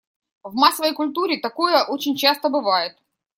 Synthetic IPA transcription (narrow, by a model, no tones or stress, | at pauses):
vmasːəvəjkʊlʲt̪uɾʲɪt̪ɐko̞jəʔo̞t͡ɕɪnʲt͡ɕast̪əbɨvajɪt̪̚